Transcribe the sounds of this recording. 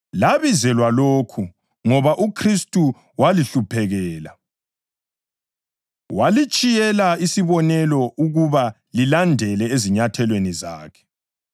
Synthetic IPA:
laβizɛlwaloːkʰu | ŋɔβaʔukʰristʼu | waliɬupʰɛɣɛːla̰ | walit͡ʃʼijɛlaisiβɔnɛlɔʔuɣuβa | lilandʱɛlɛeziɲatʰɛlweniza̰ːkʰɛ̥

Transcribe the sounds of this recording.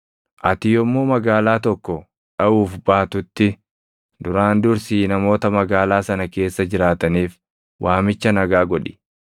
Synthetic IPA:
ʔɐt̪ɪjɔmːoːmɐɡaːlaːt̪ɔkːɔ | ᶑɐʔuːfbaːt̪ʊt̪ːɪ | d̪ʊɾaːnd̪ʊɾsiːnɐmo̞ːt̪ɐmɐɡaːlaːsɐnɐke̞ːsːɐd͡ʒɪɾaːt̪ɐniːf | wʔaːmɪt͡ʃːɐnɐɡaːɡɔᶑɪ̥

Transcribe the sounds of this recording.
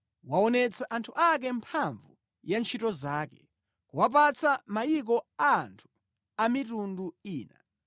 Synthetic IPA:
waɔnɛt͡saʔantʰuʔak̬ɛmpʰaɱvu | jant͡ʃʰitɔzaːkɛ | kuwap̬at͡samajik̬ɔantʰu̥ | amitunduiːna̰

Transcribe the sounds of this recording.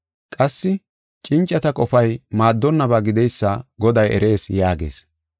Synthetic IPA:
kʼɐsːɪ | t͡ʃʼɪnt͡ʃʼːɐt̪ɐkʼɔfɐjmaːd̪ːɔnːɐbaːɡɪd̪ɛjsːɐɡɔd̪ɐjʔɛ̰ɾe̞ːsjaːɡe̞̰ːs

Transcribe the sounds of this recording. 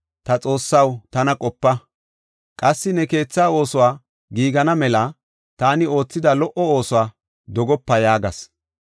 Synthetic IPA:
t̪ɐt͡sʼo̞ːsːɐwt̪ɐnɐkʼɔpːɐ | kʼɐsːɪnɛke̞ːt͡sːaːo̞ːsʊwaː | ɡiːɡɐnɐmɛlɐ | t̪aːnɪo̞ːt͡sːɪd̪ɐlɔʔɔo̞ːsʊwaː | d̪ɔɡɔpːɐjaːɡɐs

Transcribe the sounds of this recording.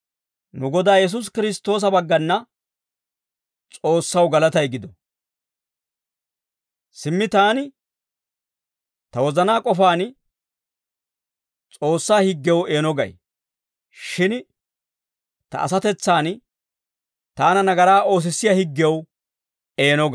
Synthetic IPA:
nʊɡɔd̪aːjɛs̬ʊs̬kɪɾɪst̪ːo̞ːs̬ɐbɐɡːɐnːɐ | t͡sʼo̞ːsːɐwɡɐlɐt̪ɐjɡɪd̪ɔ | sɪmːɪt̪aːnɪ | t̪ɐwɔzɐnaːkʼɔfaːn | t͡sʼo̞ːsːaːhɪɡːɛwe̞ːnɔɡɐ̰j | ʃɪn | t̪ɐ̰ʔɐ̰sɐt̪ɛt͡sːaːn | t̪aːnɐnɐɡɐɾaːʔo̞ːs̬ɪsːɪjɐhɪɡːɛw | e̞ːnɔɡɐ

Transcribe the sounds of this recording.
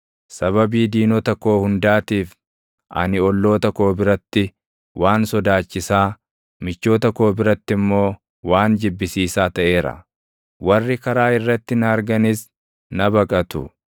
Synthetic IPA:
sɐβɐbiːd̪iːnɔt̪ɐko̞ːhʊnd̪aːt̪iːf | ʔɐ̰nɪɔlːo̞ːt̪ɐko̞ːbɪɾɐt̪ːɪ | wʔaːnsɔd̪aːt͡ʃːɪsaː | mɪt͡ʃːo̞ːt̪ɐko̞ːbɪɾɐt̪ːɪmːo̞ː | waːnd͡ʒɪbːɪsiːsaːt̪ɐʔe̞ːɾɐ̰ | wɐrːɪkɐɾaːɪrːɐt̪ːɪnɐːɾɡɐnɪs | nɐbɐkʼɐt̪ʊ̰

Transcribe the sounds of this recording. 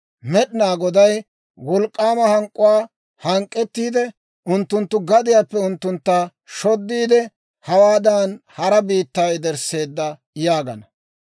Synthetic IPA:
mɛɗɪnaːɡɔd̪ɐj | wɔlkʼːaːmɐhɐŋkʼːʊwaː | hɐŋkʼːɛt̪ːiːd̪ɛ | ʔʊnt̪ːʊnt̪ːʊɡɐd̪ɪjaːpːɛʊnt̪ːʊnt̪ːa | ʃɔd̪ːiːd̪ɛ | hɐwaːd̪ɐnhɐɾɐbiːt̪ːaːjd̪ɛɾse̞ːd̪ːɐ | jaːɡɐnɐ

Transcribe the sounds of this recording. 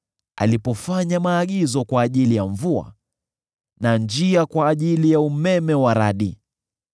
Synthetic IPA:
a̰lipɔfaɲamaːɠizɔkwaːʄilijaɱvua̰ | nand͡ʒiakwaːʄilijaumɛmɛwaɾaɗi

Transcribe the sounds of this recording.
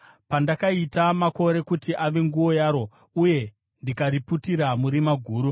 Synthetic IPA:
pandakaitamako̞ɾe̞kutiʔaʋe̞ŋɡuʋo̞jaːɾo̞ | uje̞ | ndikaɾiputiɾamuɾimaɡʱuːɾu

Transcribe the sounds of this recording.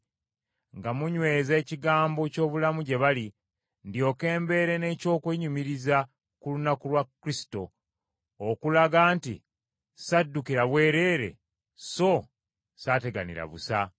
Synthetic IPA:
ŋɡamuɲwe̞ːze̞ːciɡaːmbo̞co̞ːβulamuɟe̞βali | ndjo̞ːke̞ːmbe̞ɾe̞ne̞co̞ːkweːɲumiɾiza | kulunakulwakːɾisi̥to̞ː | kulaɡaːntḭ | sadːukiɾaβwe̞ːɾe̞ːɾe̞̰ | so̞ | saːte̞ɡa̰nḭɾa̰βṵsa

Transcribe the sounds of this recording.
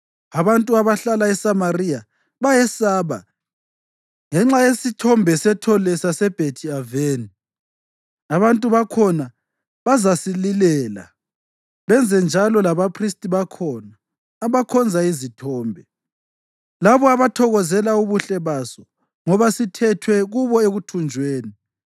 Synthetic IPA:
aβantʼuaβaɬalaɛsamarija | βajɛsaːβa̰ | ŋɛŋ͡ǁajesitʰɔmbʱɛsɛtʰɔlɛsasɛb̥ʱetʰiaveːni | aβantʼuβakʰɔna | βazasililɛːla̰ | βɛnd͡zʱɛnd͡ʒʱalɔlaβapʰristʼiβakʰɔnaː | βakʰɔnd͡zʱaizitʰɔːmbʱɛ | laβɔaβatʰɔɣɔzɛlauβuɬɛβasɔ | ŋɔβasitʰɛtʰwɛɣuβɔeɣutʰund͡ʒʱweːni

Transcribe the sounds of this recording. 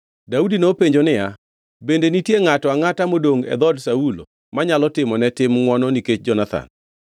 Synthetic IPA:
daudinopeɲd͡ʒonɪja | bendenitjeŋatɔaŋatamodoŋɛ̰d̪ɔdsaulo̰ | maɲalɔtɪmɔnɛtɪmŋwɔnɔniket͡ʃd͡ʒɔnat̪ʰa̰n

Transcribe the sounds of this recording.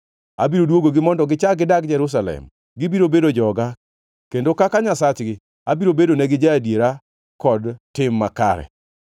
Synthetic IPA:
a̰biɾodwoɡoɡɪmɔndɔɡɪt͡ʃaɡɪdak̚d͡ʒɛɾus̬alɛ̰m | ɡɪbiɾobedod͡ʒɔɡa | kendokakaɲasat͡ʃɡɪ | abiɾobedonɛɡɪd͡ʒaadjeɾa | kɔdtɪmːaka̰ɾɛ̰

